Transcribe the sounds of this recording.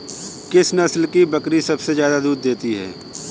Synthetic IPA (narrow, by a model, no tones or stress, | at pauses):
kɪsnɐslkibɐkɾisɐbsezjaːd̪ad̪uːd̪d̪eːt̪iɦɛ̰ː